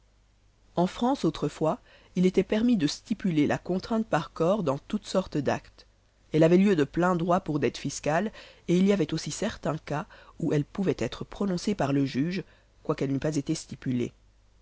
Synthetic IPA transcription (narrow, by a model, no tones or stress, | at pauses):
ɑ̃fχɑ̃sot̪χəfwa | ilet̪ɛpɛʁmid̪əst̪ipylelʔa̰kɔ̃t̪χɛ̃t̪̚paʁkɔʁd̪ɑ̃t̪ut̪sɔʁt̪d̪a̰kt̪ | ɛlavɛljød̪əplɛ̃d̪ʁwapuʁd̪ɛt̪fiskaleiliavɛt̪osisɛʁt̪ɛ̃kauʔɛlpuvɛt̪ɛt̪χəpχɔnɔ̃sepaʁləʒyʒ | kwakɛlnypazet̪est̪ipylḛ